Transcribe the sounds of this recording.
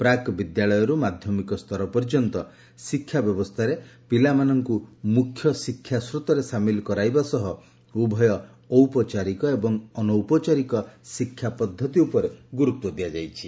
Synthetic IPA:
pɾakbid̪jaɭɔjɔɾumad̪ʱjɔmikɔst̪ʰɔɾɔpɔɾd͡ʒɔnt̪ɔ | sikʰːjabjɔbɔst̪ʰaɾepilamanɔŋkumukʰːjɔsikʰːjasɾut̪ɔɾesamilɔkɔɾajbasɔɦɔ | ubʱɔjɔ | ɔwpɔt͡ʃaɾikɔebɔŋɔnɔwpɔt͡ʃaɾikɔsikʰːjapɔd̪ʱːɔt̪iupɔɾeɡuɾuk̚t̪ːɔd̪iad͡ʒajt͡ʃʰi̥

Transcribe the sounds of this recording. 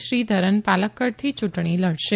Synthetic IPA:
ʃɾid̪ʱəɾənpaləkːəɾt̪ʰit͡ʃuʈɳ̃iləɽʃe

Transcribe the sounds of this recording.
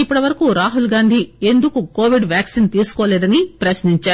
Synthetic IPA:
ipːɐɽɐʋɐɾɐkuːɾaːɦulɡaːnd̪ʱie̞nd̪ukuko̞ːʋiɖʋjaːksint̪iːsu̥koːlɛːd̪ɐnipɾɐsniɲt͡ʃaːɾu

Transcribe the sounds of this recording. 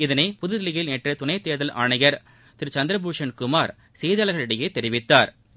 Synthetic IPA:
ɪðɐnɐɪpʊðɯðɪlɪɣɪlneːʈrɐt̪ʊnɐɪt̪ːeːðɐlʔa̰ːɳɐjɐɾ | t̪ɪɾt͡ʃɐnd̪ɪɾɐbuːʂɐnkʊmaːɾ | seːðɐːlɐɣɐɭɪɽɐjeːt̪ːɛɾɪʋɪt̪ːaːɾ

